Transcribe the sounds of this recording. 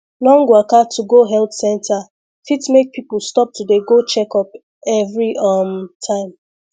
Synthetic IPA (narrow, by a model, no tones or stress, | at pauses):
lɔ̃ŋɡwakatʰuɡoɦɛltsɛ̃ntʰa | fitmek̚pʰipulstɔp̚tudeɡot͡ʃɛkɔp | ɛvɹiɔmtʰãɪ̃m